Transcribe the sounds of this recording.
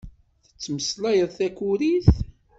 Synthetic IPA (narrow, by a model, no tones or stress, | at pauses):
θə̥t͡sːməslæjəðθækuɾiθ